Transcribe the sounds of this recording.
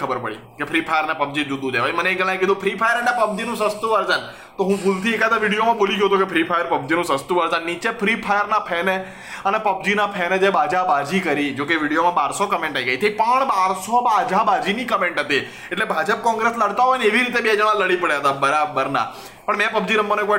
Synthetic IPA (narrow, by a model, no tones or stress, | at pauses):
əbəɾpə̰ɽḭkepʰɾipʰajəɾnepəb̚d͡ʒid͡ʒud̪ũd͡ʒ̪eʋaiməneːkɡəlãj̃k̬id̪ũpʰɾipʰajəɾənepəb̚d͡ʒinũsəst̪uʋəɾd͡ʒən | t̪oɦũpʰult̪ʰiekat̪aʋiɽijomãboliɡjot̪ukepʰɾipʰajəɾpəbd͡ʒinũsəst̪uʋəɾd͡ʒənːit͡ʃepʰɾipʰajəɾnapʰɛme | ənepəb̚d͡ʒinapʰɛned͡ʒebad͡ʒabad͡ʒikəɾid͡ʒokeʋiɽijomãbaɾsokəmẽɳʈaiɡəit̪ʰəipəɳbaɾsobad͡ʒʱabad͡ʒinikəmẽɳʈɦət̪i | eʈlebʱad͡ʒəp̚kɔ̃ŋɡɾesləɽt̪aɦɔjneʋiɾit̪̬ebiɛd͡ʒəʋ̃ãləɽipəɽeɦət̪abəɾabəɾna̰ | pəɳmɛ̃pəbd͡ʒinəmːəneko